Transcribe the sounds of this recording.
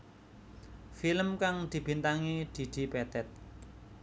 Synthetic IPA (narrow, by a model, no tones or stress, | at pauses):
filəmkaŋd̪̥i̤b̥i̤nt̪aŋid̪̥i̤d̪̥i̤pɛt̪ɛt̪̚